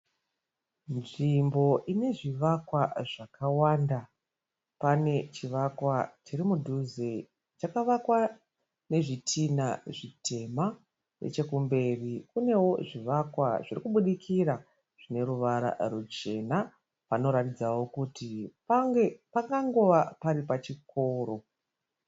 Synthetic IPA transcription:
nʐimbo̞ʔine̞ʐiʋakwaʐakawaːnda | pane̞t͡ʃiʋakwat͡ʃirimudʱuze̞ | t͡ʃakaʋakwa | ne̞ʐitʰinaʐitʰe̞ma | rḛt͡ʃe̞kumbe̞rikune̞wo̞ʐiʋakwa̰ʐirikuɓuɗikʰira | ʐ̥ine̞ɾuʋaɾa̰rut͡ʃe̞na | pano̞ɾatid͡zawo̞kutipaŋɡepaŋɡaŋɡoʋapaɾipat͡ʃiko̞ːɾo̞

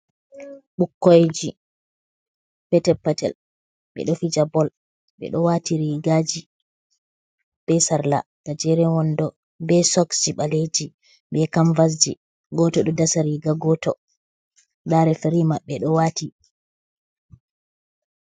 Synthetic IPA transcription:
ɓukːojd͡ʒi | pɛtɛpːatɛ̰l | ɓɛ̰ɗɔfid͡ʒabɔl | ɓɛ̰ɗɔwatiɾiɡad͡ʒi | b̥ɛsaɾla̰ | ɡ̥ad͡ʒɛɾɛwɔndɔ | bɛsɔksiɓaled͡ʒi | ɓɛkaɱvas̬d͡ʒi | ɡɔtɔɗɔdasaɾiɡaɡɔtɔ | daɾɛfeɾimaɓɛɗɔwati

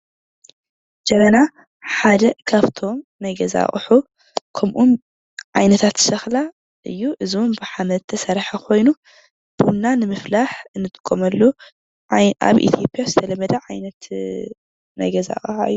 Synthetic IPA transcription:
d͡ʒɐmɐna | ħad̪ɐkʰaβt̪ʰo̞mnajɡɐza̰χʼħu | kʰɐmʔum | ʕajnɐt̪ʰat̪sɐxla | ʔɨ̰jːuʔɨzombɨħamɐt̪ʰːɐsɐɾħakʰo̞jnu | b̥ɨnːanɨmɨflaħɨnːɨt̪ʼɨ̥kʼːomɐlːu | a̰βʔḭt̪ʰjo̞pʼjazɨt̪ʰɐlɐmɐd̪ɐʕajnɐt̪ | na̰jɡɐza̰χʼħaɨjːu

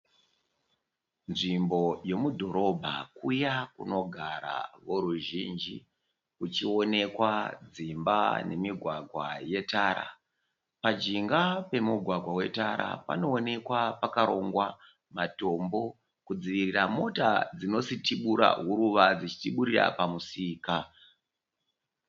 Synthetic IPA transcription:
nʐimbo̞je̞mudʱo̞ɾo̞bʱa̰kujakuno̞ɡʱaɾa̰ʋo̞ɾuʒind͡ʒi | kut͡ʃione̞kwad͡zimba̰ne̞miɡʱwaɡʱwaje̞taːɾa̰ | pad͡ʒiŋɡape̞muɡʱwaɡʱwawe̞taɾa̰pa̰no̞ːne̞kwapakaɾo̞ŋɡwa | mato̞mbo̞ | kud͡ziʋiriramo̞tad͡zino̞sitiɓuɾa̰ɦuɾuʋad͡zit͡ʃi̥tiɓuɾira̰pamusiːka

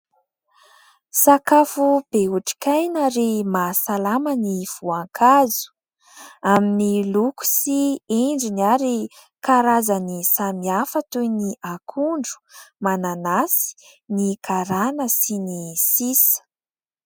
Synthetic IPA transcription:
sakafub̥euʈ͡ʂi̥kajnəɾimasalaməniv̥uaŋkʰazu̥ | aminiluku̥sieɳɖ͡ʐinaɾi | kaɾazənisamiafət̪ujniʔakʰuɳɖ͡ʐu̥mananasi̥nikʰaɾanəsinisisə̥

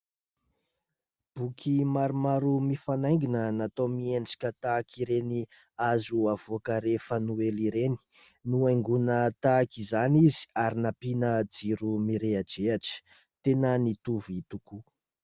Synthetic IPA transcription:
b̥ukʰimaɾumaɾumifanaj̃ŋɡinənat̪omieɳɖ͡ʐḁkʲət̪aːkiɾeni | azuav̥uakəɾefənueliɾeni̥ | nuajŋɡunət̪akizanizi̥aɾinapinəd͡ziɾumiɾead͡ʒeaʈ͡ʂə̥ | t̪enənit̪uvit̪uku

